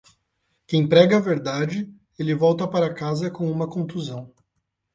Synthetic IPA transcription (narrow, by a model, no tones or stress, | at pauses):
kẽj̃pɾɛɡɐveɾd̪ad͡ʒɪ | elɪvɔwt̪ɐpaɾɐkazɐkõw̃ũmɐkõt̪uzɐ̃w̃